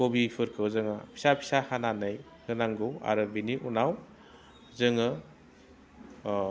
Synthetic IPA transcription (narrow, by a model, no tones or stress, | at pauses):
kobipʰɯɾkʰɯwzɯŋapʰi̥sapʰi̥sahananɯj | hɯnaŋɡɯwa̰ɾɯbiniʔunaw | zɯŋɯ